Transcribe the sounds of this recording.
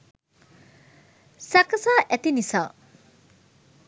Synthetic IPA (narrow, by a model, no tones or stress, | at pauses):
sakɐsaʔet̪inisa